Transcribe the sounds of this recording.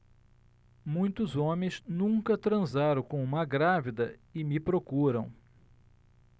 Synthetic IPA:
mũj̃t̪ʊzõmẽj̃znũŋkɐt̪ɾɐ̃zaɾɐ̃kõw̃ũmɐɡɾavid̪ɐɪmɪpɾokuɾɐ̰̃w̃

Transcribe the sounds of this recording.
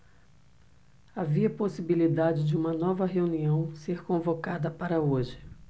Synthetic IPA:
aviɐposibilid̪ad͡ʒɪd͡ʒɪũmɐnɔvɐɦeuniɐ̃w̃seɾkõvokad̪ɐpaɾɐoʒɪ̥

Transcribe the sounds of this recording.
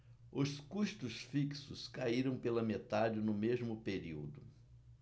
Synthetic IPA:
ʊskuʃt̪ʊsfiksʊskaiɾɐ̃w̃pelɐmet̪ad͡ʒɪnʊmezmʊpeɾiwd̪ʊ

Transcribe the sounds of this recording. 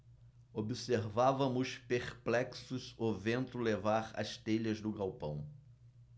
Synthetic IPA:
obiseɾvavɐmʊspeχplɛksʊzovẽnt̪ʊlevaɾɐ̰ʃt̪eʎɐzd̪ʊɡawpɐ̰̃w̃

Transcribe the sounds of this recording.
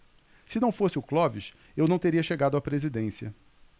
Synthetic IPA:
sɪnɐ̃w̃fosɪʊklɔviʃ | ewnɐ̃w̃t̪eɾiɐʃeɡad̪ʊapɾezid̪ẽsiɐ

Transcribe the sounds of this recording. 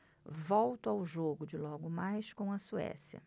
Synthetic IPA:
vɔwt̪ʊawʒoɡʊd͡ʒɪlɔɡʊmajskõw̃ɐsuɛ̰sjɐ̰

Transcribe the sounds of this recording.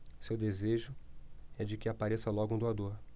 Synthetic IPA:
sewd̪ezeʒʊɛd͡ʒɪkɪapaɾesɐlɔɡʊũd̪uad̪oɾ

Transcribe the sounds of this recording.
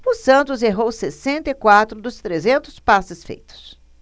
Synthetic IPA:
ʊsɐ̃nt̪ʊzeɦowsesẽnt̪ɐikwat̪ɾʊd̪ʊst̪ɾezẽnt̪ʊspasɪsfḛjt̪ʊ̥s

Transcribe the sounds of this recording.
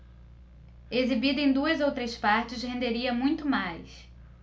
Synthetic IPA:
ezibid̪ɐẽj̃d̪uɐzowt̪ɾespaɾt͡ʃɪshẽnd̪eɾiɐmũj̃t̪ʊmajs

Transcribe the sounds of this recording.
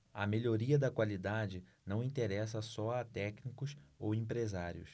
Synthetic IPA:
ɐ̰meʎoɾiɐd̪ɐkwalid̪ad͡ʒɪnɐ̃w̃ĩt̪eɾɛs̬ɐsɔɐt̪ɛknikʊsowẽpɾezaɾjʊ̰s

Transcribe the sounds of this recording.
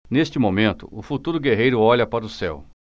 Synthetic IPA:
nest͡ʃɪmomẽnt̪ʊ̰ʊfut̪uɾʊɡeɦejɾʊɔʎɐpaɾɐʊsɛ̰w

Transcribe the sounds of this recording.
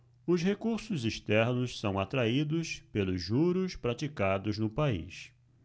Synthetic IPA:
ʊshekuɾsʊziʃt̪ɛɾnʊssɐ̃w̃at̪ɾaid̪ʊspelʊzʒuɾʊspɾat͡ʃikad̪ʊznʊpaḭs

